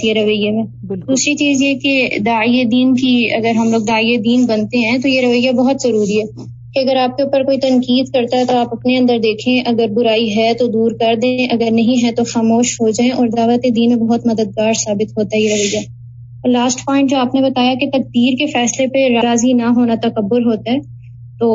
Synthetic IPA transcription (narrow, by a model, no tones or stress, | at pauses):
iɦɛɾɐʋəjemẽː | ɪɡuːsit͡ʃiːzjeked̪aːied̪iːnkiɐ̰ɡəɾɦɐmloːɡ̚d̪aːijed̪iːnbɐnt̪eɦɛ̃t̪ojeɾɐʋəjːabɐɦʊt̪zɐɾuːɾiɦɛː | keɐɡəɾaːp̚keuːpəɾkoːit̪ɐ̃nkiːd̪kɐɾt̪aɦɛt̪oaːpɐpneɐ̃nd̪əɾd̪eːkʰẽʔɐɡəɾbʊɾaːiɦɛt̪od̪uːɾkɐɾd̪ẽʔɐɡəɾnɐɦĩɦɛ̃t̪oxaːmoːʃɦod͡ʒaːẽʔɔːɾd̪aːʋət̪ed̪iːnmẽbɐɦʊt̪mɐd̪əd̪̚ɡaːɾsaːbɪt̪ɦoːt̪aɦɛjeɾɐʋəjːa | laːsʈpɔːɪ̃ɳʈ̚d͡ʒoːaːpnebɐt̪aːjaket̪ɐk̚d̪iːɾkefɛːslepeɾaɾaːzinɐɦoːnat̪ɐkɐbːʊɾɦoːt̪aɦɛː | t̪oː